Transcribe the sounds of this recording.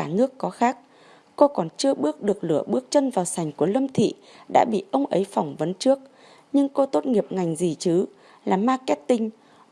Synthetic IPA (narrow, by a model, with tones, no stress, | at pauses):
aː˧˩nɨ˦˥əkːɔ˨˦xaː˦˥k̚ | ko˧kɔ˨˩nt͡ɕɨ˧əɓɨ˦˥ək̚ɗɨ˨˩ək̚lɨ̰˧˩əɓɨ˦˥ək̚t͡ɕə˧nvaː˨˩wsa˨˩jŋ̟ku˧˩ələ˧mt̪ʰḭ˧˨ | ɗa̰ː˧˥ɓḭ˧˨ʔə˧wŋ͡mʔə˨˦jfa˧˩wŋ͡mvə˨˦nt͡ɕɨ˦˥ək̚ | ɲɨ˧ŋko˧t̪o˦˥t̚ŋi˨˩əp̚ŋa˨˩jŋ̟zi˨˩t͡ɕɨ˨˦ | laː˨˩maː˧kɛ˦˥t̚t̪ï˧ŋ̟